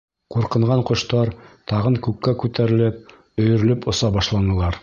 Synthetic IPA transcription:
quɾqɤ̆ɴʁɑɴqŏʃt̪ɑɾt̪ɑʁɤŋkʉkːækʉt̪æɾɘ̆lɘp̚ | ɵ̆jɵ̆ɾɘ̆lɵpŏsɑbɑʃlˠɑnɤ̆lˠɑɾ

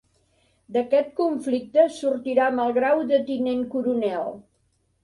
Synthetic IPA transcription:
d̪əkɛt̪̚kuɱflik̚t̪əsuɾt̪iɾaməlˠɣɾawd̪ət̪ineŋkuɾunɛlˠ

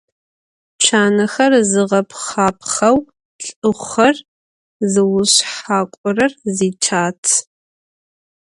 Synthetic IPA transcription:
t͡ʃʰaːnɐxɐrzɨʁɐpʰχaːpʰχɐw | ɬʼɨχɐr | zɨwʊɕħaːkʷʼɔrɐrziːt͡ʃʰaːtʰ

